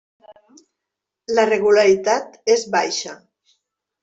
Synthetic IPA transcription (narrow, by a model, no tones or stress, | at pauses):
ləreɣ̞ulaɾit̪at̪ezβajʃa